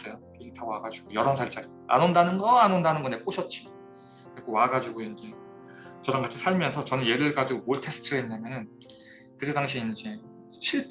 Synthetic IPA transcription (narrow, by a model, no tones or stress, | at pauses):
s͈ʌjokiŋtʰawaɡad͡ʑuɡ̥ojʌɾʌnsʰaɭt͡ɕ͈aɾi | a̰nondanɯnɡʌanondanɯnɡʌne̞k͈oɕʰʌt̚t͡ɕ͈i | kɯekʰowaɡad͡ʑuɡoind͡ʑe̞ | t͡ɕʌɾaŋɡat͡ɕʰisʰaɭmjʌnsʰʌt͡ɕʌnɯnje̞ɾɯɭɡad͡ʑuɡomoɭtʰe̞s͈ʰɯ̥tʰɯenɲːamjʌnɯn | kɯɾedaŋɕʰiind͡ʑe̞ | ɕʰiɭ